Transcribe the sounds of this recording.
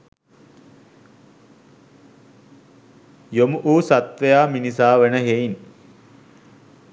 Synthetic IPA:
jomuʔuːsat̪ʋəjaːminis̬aːʋənəɦein

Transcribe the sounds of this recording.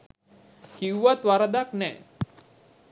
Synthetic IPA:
kiwʋat̪waɾad̪aknɛ

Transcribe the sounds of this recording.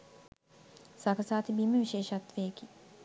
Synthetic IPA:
sakɐsaːt̪ibiːməʋiʃeːʃat̪ːʋeeki

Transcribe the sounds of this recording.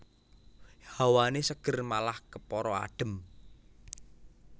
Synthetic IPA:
hawanesəɡ̥ə̤rmalahkəpɔɾɔa̰ɖ̥ə̤m

